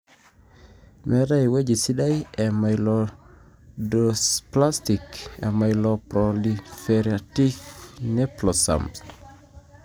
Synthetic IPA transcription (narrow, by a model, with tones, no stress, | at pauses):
mɛɾa˦jwe˦d͡ʒi˨si˦da˦je˨ma˨jlɔ | dospla˦sti˨kḛ˨ma˨jlɔpɾolifeɾiati˦fne˦plɔsa̰ms